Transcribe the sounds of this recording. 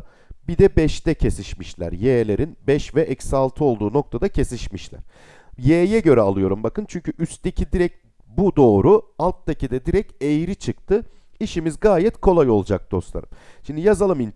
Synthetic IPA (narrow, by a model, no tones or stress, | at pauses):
bid̪ɛbɛʃt̪ɛcʰe̞siʃmiʃlʲæ̰ɾjeːlʲe̞ɾinbɛʃvɛʔɛcsalˠt̪ʰɯo̞lˠd̪uːno̞k̚t̪ʰad̪acʰe̞siʃmiʃlʲæ̰ɾ̥ | jeːjɛɟø̞ɾɛalˠɯjo̞ɾumbakɯnt͡ʃʰyɲcʰyʔyst̪ecʰid̪iɾɛc̚ | bud̪o̞ːɾualˠt̪d̪ecʰid̪ɛd̪iɾɛcejiɾit͡ʃʰɯk̚t̪ʰɯ | iʃimizɡaːjɛt̪kʰo̞lˠajo̞lˠd͡ʒak̚d̪̥o̞slˠa̰ɾɯmʃimd̪ijazalˠɯmin